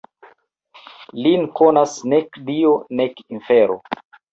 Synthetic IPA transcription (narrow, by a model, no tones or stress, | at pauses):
linkʰonasnekdionekinfeɾo̰